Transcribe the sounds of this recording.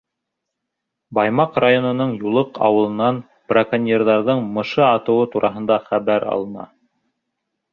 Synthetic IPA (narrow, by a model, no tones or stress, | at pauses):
bɑjmɑqrajonɤ̆nɤɴjulˠɤqɑ̰wɤ̆lˠɤ̆nɑn | b̥rakanʲerðɑɾðɤɴmɤ̆ʃɤɑt̪ɤ̆wɤt̪uɾʔɑɦɤ̆nd̪ɑχæβæɾɑ̰lˠɤ̆nɑ̰